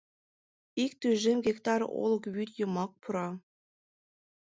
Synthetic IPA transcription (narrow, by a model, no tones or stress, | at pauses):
ik̚t̪yʒemɡʲekt̪ɑɾo̰lɤ̆kβyt̪jɤ̆mɑk̚pʰuɾɑ